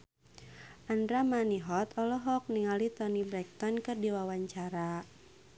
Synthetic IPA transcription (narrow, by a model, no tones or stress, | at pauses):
ʔandɾamaniɦɔt̪ɔlɔɦɔk̚niŋalit̪ɔnibɾɛk̚t̪ɔnkɨrdiwawaɲt͡ʃaɾa